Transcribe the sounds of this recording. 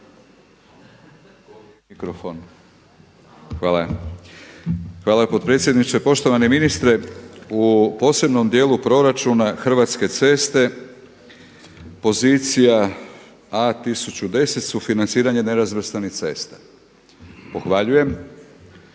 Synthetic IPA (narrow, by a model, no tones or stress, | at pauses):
ikɾofon | xʋaːla | xʋaːlapo̞d̪̚pɾe̞ːt̪sjed̪nit͡ʃepo̞ʃt̪o̞ʋaneminist̪ɾeupo̞ːse̞bno̞md̪je̞ːlupɾo̞ɾat͡ʃunaxrʋat̪ske̞t̪se̞ːst̪e̞ | po̞ziːt̪sija | at̪isut͡ɕud̪e̞se̞t̪sufinant̪siːɾaɲene̞ɾazʋr̩st̪anixt̪se̞ːst̪ḁ | po̞xʋaʎuje̞m